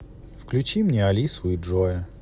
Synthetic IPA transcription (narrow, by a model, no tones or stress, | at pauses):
fklʲʉt͡ɕimnʲeɐlʲisʊiʐojɛ